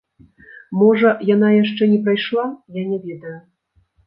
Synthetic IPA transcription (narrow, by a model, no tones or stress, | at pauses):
mɔʐɐjanajaʂt͡ʂɛnʲɛpɾajʂlˠajanʲɛvʲɛd̪ɐju